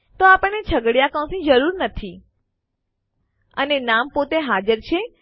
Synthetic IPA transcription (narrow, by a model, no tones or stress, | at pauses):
t̪oapəɳnet͡ʃʰəɡɽjakə̃w̃sĩd͡ʒəɾuɾnət̪ʰi | ə̰nenampot̪eɦad͡ʒəɾt͡ʃʰe